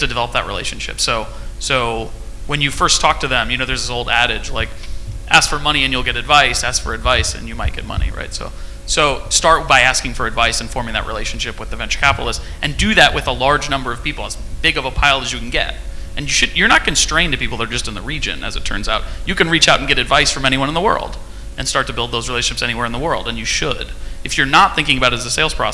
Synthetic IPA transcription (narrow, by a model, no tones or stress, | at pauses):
tʰɨdɨvɛlˠəp̚ðə̰ʔ̚ɹḭleɪʃɨ̃n̩ʃɪ̰psoʊ | soʊ | wɨ̃njɨfɜ˞stʰɔk̚tʰɨðə̃mjɨnoʊðə˞zðɪsoʊlˠdæɾɪd͡ʒlaɪk | ʔæ̰skfə˞mʌɾ̃iɨ̃njɨlˠɡɛɾɨdvaɪsæskfə̰˞ɨdvaɪsɨ̰̃njɨmaɪt̚ɡ̥ɛ̰t̚mʌ̰nḭɹa̰ɪtsoʊ | soʊstɑɹt̚b̥aɪæskɪ̃ŋfə˞ɨdvaɪsɨ̃nfɔɹmɪ̃ŋðɨ̰ʔ̚ɹʔḭleɪʃn̩ʃɪpwɨðɨvɛ̃nt͡ʃə̥˞kʰæpəɾl̩ˠəst | ʔɨ̃ndɨðɨʔwʔɨðəlɑɹd͡ʒnʌ̃mbə˞ʌv̥pipl̩ˠəz | b̥ɪɡʌvəpʰaɪlˠəzjɨkʰn̩ɡɛ̰tɨ̃njɨʃɨdjə˞ñət̚kʰɨ̃n̩stɹ̥ẽɪ̃ntɨ̥pipl̩ˠðəɾə˞d͡ʒʌstɨ̃n̩ðəɹid͡ʒɨ̰̃nʔɨ̰zɨtʰɜ̰̃˞nzaʊt̚jɨkɨ̃nɹit͡ʃaʊɾn̩ɡɛɾɨdvaɪsfə˞mɛ̃niwʌ̃ñnðəwɜ̰˞lˠd̥ | ʔɨ̃nstɑɹtʰɨbɪlˠd̪̚oʊzɹileɪʃɨ̃n̩ʃɪpsɛñiwɛɹɨ̃nðəwɜ˞lˠdə̃njɨʃʊdɨfjə˞nət̪̚θɪ̃ŋk̬ɪ̃ŋɨbaʊɾɨzɨseɪlˠz̥pʰɹ̥ɑ̰